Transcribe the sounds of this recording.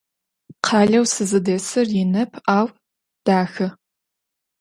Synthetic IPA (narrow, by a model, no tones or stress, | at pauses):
qʰɑːɮɐwsɨzɨdeːsɨrjɪnɐpʰaːw | d̥aːxɨ